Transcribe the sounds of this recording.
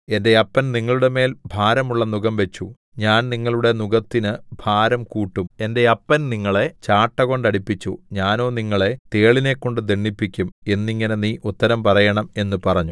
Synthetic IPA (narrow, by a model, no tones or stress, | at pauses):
e̞nde̞ɐpːɐnniŋːɐɭuɽe̞me̞ːlbʱaːɾɐmuɭːɐnuɡɐmʋe̞t͡ɕːu | ɲaːnniŋːɐɭuɽe̞nuɡɐt̪ːinɨbʱaːɾɐmkuːʈːume̞nde̞ɐpːɐnniŋːɐɭe̞t͡ɕaːʈːɐɣo̞ɳɖɐɽipːit͡ɕːuɲaːno̞ːniŋːɐɭe̞t̪e̞ːɭine̞kːo̞ɳɖɨd̪eɳːipːikʲːume̞nːiŋːɐne̞niːʔut̪ːɐɾɐmpɐrɐjɐɳɐme̞nːupɐrɐɲːu